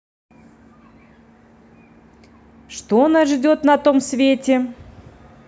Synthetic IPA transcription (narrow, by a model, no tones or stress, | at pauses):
ʂt̪onaʐdʲot̪nɐt̪omsvʲetʲɪ